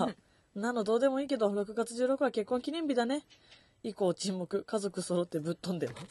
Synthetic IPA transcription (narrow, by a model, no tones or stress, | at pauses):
nãnod̪o̞ːd̪e̞mo̞iːke̞d̪oɾo̞kɯ̟ɡat͡sɨʑɨːɾo̞kɯ̟βake̞kːõŋkʲiɲʲĩmbʲid̪ane̞ | iko̞ːt͡ɕĩmːo̞kɯ̟kazo̞kɯ̟so̞ɾo̞t̪ːe̞bɯ̟t̪ːõnd̪e̞ma